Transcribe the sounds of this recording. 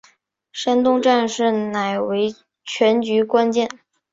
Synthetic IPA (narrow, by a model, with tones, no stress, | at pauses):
ʂa˥nt̪ʊ˥˧ŋʈ͡ʂa˥˧nʂɻ̩˥˩na˨˩ɪwe˧˥ɪ | t͡ɕʰɥɛ˧˥nt͡ɕy˧˥kwa˥nt͡ɕjɛ˥˩n